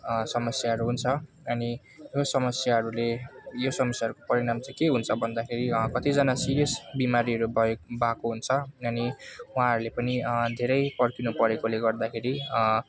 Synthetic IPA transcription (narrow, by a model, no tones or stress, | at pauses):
sʌmʌsjaɦʌɾuɦunt͡sʰʌ | ʌni | josʌmʌsjaɦʌɾulejosʌmʌsjaɦʌɾukopʌɾiɽamt͡sajkeɦunt͡sʰʌbʱʌnd̪akʰeɾikʌt̪id͡zʌnasiɾijʌsbimaɾiʌɾubʱʌebakoɦunt͡sʰʌʌniũɦãɦʌɾulepʌnid̪ʱeɾʌjpʌrkinupʌɾekoleɡʌrd̪akʰeɾi